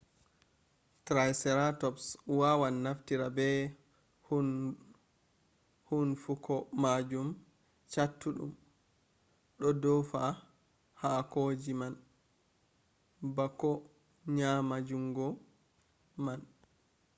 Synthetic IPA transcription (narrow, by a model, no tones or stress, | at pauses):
tɾajsɛɾatɔpswawanːaftiɾabɛ | hn | hunfukɔmad͡ʒum | t͡ʃatːuɗṵm | ɗɔdɔfa | hakod͡ʒiman | bakːɔ | ɲamad͡ʒuŋɡɔ | man